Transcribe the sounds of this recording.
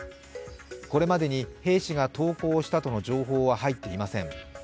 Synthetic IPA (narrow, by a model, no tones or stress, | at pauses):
ko̞ɾe̞mad̪e̞ɲ̟ihe̞ːɕiɡat̪o̞ːko̞ːɕi̥t̪at̪o̞no̞d͡ʑo̞ːɦo̞ːβahait̪ːe̞imasẽ̞ŋ